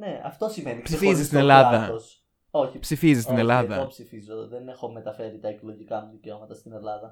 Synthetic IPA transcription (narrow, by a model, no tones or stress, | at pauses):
ne̞ɐ̰ft̪o̞simenisifizszisinelɐðɐos | o̞çipsifizist̪ine̞lɐðɐ̰psifizoðene̞xo̞me̞t̪ɐfe̞ɾit̪ɐeklo̞ʝikɐmuðice̞o̞mɐt̪ɐst̪ine̞lɐðɐ